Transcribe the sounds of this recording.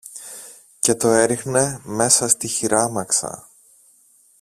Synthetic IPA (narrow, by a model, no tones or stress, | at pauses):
ce̞t̪o̞e̞ɾixne̞me̞sɐst̪içiɾɐmɐksɐ̰